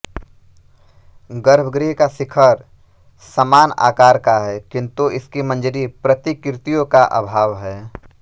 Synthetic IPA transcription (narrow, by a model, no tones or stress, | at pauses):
ɡəɾəbʱɡɾiɦkasɪkʰəɾ | səmaːna̰ːkaːɾkaɦɛːkɪ̃nt̪uʔɪskimə̃nd͡ʒɾipɾət̪ikɾɪt̪ijõkaʔə̰bʱaːʋɦɛː